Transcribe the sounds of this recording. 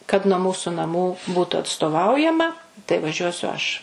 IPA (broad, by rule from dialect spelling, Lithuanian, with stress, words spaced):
kɐt nuɔ ˈmuːsʊ nɐˈmuː ˈbuːtʊ ɐtstoːˈʋɐʊjɛmɐ tɐɪ ʋɐˈʒʲuɔsʲʊ ˈɐʃ